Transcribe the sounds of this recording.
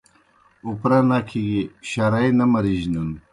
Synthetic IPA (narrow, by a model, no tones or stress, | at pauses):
upɾanakʰiɡiɕaɾajnɐmɐɾiʑnun